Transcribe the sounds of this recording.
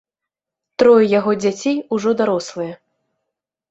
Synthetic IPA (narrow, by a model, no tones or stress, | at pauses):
t̪ɾɔjɛjaɣɔd͡zʲat͡sʲejuʐɔd̪aɾɔslˠɨjɐ